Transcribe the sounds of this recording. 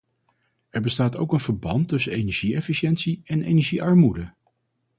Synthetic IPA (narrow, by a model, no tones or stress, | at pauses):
ɛɹbəstaːto̰wkənvəɹbɑntːɵsənejnɛɹʒiɛfiʃɛnsiɛnejnɛɹʒiʔɑɹmudə